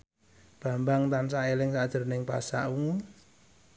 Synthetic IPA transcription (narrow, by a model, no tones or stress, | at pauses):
b̥a̤mbaŋt̪ansaʔelɪŋsad̥ʒ̥ə̤rnɪŋpa̰sa̰ʔuŋu